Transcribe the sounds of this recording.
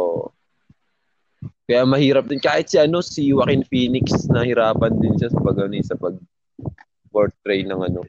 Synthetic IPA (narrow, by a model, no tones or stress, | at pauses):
ʔʔo̰ | kɐjamɐhiːɾɐp̚d̪ɪnkaːhɪt̪̚siʔɐno̞siwɐkɪnfiːnɪksnɐhɪɾaːpɐnd̪ɪnʃasɐpɐɡɐnɪsɐpɐɡ̚ | poɹt̪ɾɛjnɐŋɐno̞